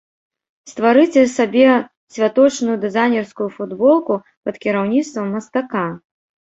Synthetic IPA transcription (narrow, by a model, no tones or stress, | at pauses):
st̪vaɾɨt͡sʲɛsabʲɛ | sʲvʲat̪ɔt͡ʂnʊjud̪ɨzajnʲɛrskujufud̪bɔlˠku | pɐt̪kʲiɾawnʲit̪st̪vɐmːɐst̪aka